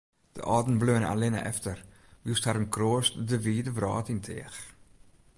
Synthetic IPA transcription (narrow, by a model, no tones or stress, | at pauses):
d̥ə̰ʔɑːdn̩bløːna̰lɪnə̰ʔɛ̰ftər | ʋisthaɾənkroːəstdəʋiːdəvrɑ̰ːtintʰɪ̰əx